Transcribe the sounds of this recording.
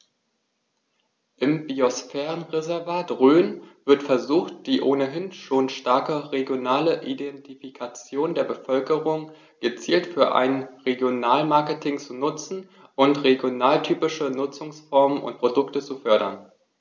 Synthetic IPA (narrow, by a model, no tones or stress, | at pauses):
ʔɪmbiosfɛːʁənʁezɛɐvaːtʁøːnv̥ɪɐtfɛɐzuːxt̚d̥iːʔoːnəɦɪnʃoːnʃtaɐkəʁeɡjonaːləʔidɛntifikʰat͡sjoːndeːɐbəfœlkəʁʊŋ | ɡ̥ət͡siːltfyːɐʔa̰ɪnʁeɡjonaːlmaɐkətʰɪŋt͡sunʊt͡sn̩ | ʔʊntʁeɡjonaːltʰyːpɪʃənʊt͡sʊŋsfɔɐmənʊ̰nt̚pʁ̥odʊktət͡sufœɐɾɐ̰n